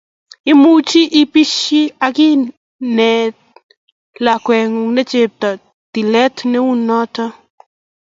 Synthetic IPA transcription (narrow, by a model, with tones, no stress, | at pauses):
i˦mu˦t͡ʃi˦ʔi˦pi˦ʃi˦aki˦ | nɛ˨ | lakwɛ˨ŋu˨ŋne˦t͡ʃep̚t̪a˨ | t̪i˨lɛ˦t̪ne˦u˦nɔ˦t̪a˦